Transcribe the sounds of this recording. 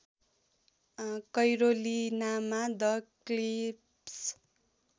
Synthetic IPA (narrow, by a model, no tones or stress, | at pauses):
kʌjɾolinamad̪ʌklip | s